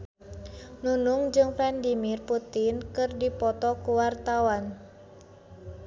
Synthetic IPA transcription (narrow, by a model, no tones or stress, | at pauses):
nunuŋd͡ʒɨŋfɛndimirput̪inkɨrdipɔt̪ɔkuwart̪awan